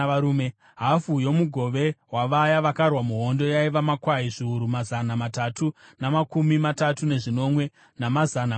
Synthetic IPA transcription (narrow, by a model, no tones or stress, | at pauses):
auːme | ɦafujo̞muɡʱo̞ʋe̞waʋajaʋakarwamuɦo̞ndo̞jaiʋamakwaiʐiuɾumazanamatatunamakumimatatune̞ʐino̞mwe̞ | namazana